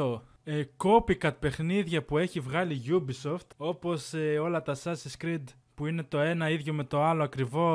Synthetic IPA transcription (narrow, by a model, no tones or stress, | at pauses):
o | eko̞pikɐt̪̚pe̞xniðʝɐpue̞çivɣɐliʝubiso̞ft̪o̞po̞seo̞lɐt̪ɐsɐsiskɾid̪ | puine̞t̪o̞e̞nɐiðʝo̞me̞t̪o̞ɐlo̞ɐkɾivo̞